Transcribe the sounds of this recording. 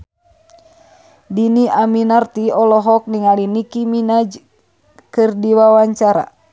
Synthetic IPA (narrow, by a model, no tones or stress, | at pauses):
diniaminart̪iɔlɔɦɔk̚niŋalinikiminad͡ʒ | kɨrdiwawaɲt͡ʃaɾa̰